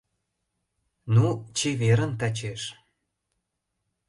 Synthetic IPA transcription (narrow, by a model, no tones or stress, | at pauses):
nut͡ɕeβeɾə̆nt̪æt͡ɕeʃ